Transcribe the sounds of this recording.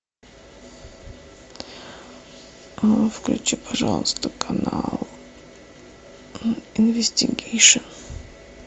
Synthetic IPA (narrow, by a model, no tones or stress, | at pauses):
fklʲut͡ɕupʰaʐalˠst̪ʊkʰanalˠ | invʲesʲtʲiɡʲejʂən